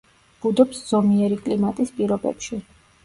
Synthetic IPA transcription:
b̥ud̪ɔpsz̥ɔmiɛɾikʼlimat̪ʼispʼiɾɔbɛ̰pʃi

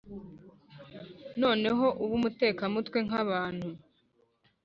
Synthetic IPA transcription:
no̞ːne̞ɦo̞ʔuβumute̞ːkamutwe̞ŋaβaːnhu

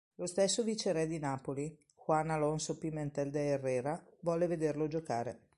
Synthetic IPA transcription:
lost̪esːovit͡ʃeɾɛd̪inaːpoli | xwanːalonsopimːent̪ɛld̪eːrːɛːɾavwɔleved̪erlod͡ʒokaːɾe

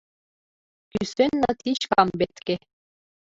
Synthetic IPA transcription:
kysønːət̪iɕkɑmbet̪ke

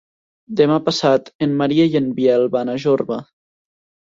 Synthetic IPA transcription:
d̪emapasat̪enmaɾiejənbiɛlˠβanaʒoɾβa

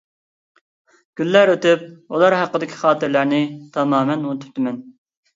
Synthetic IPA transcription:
ɡ̥ʲylːæɾøt̪yp̚ulˠɑɾɦæqːəd̪ɪkʲʰi̥χɑːt̪ɨɾlæɾnɪt̪ʰɑmɑːmɛnunt̪ʰyɾt̪ɪmɛn

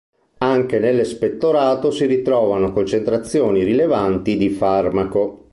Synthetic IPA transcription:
aŋk̟enelːespet̪ːoɾaːt̪osiɾit̪ɾɔːvanokont͡ʃent̪ɾat̪sːjoːnirilevant̪id̪ifarmako

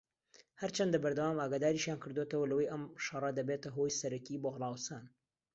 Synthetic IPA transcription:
hɐɾt͡ʃʰɐnd̪ɐbɐɾd̪ɐwaːmaːɡaːd̪aːɾiʃjaːnkʰɨɾd̪ot̪əwɐlɐwɐjʔɐmʃɑrˤɐd̪ɐbeːt̪ɐɦo̞jsɐɾɐkiboːɣlˠˤɑːwsaːn

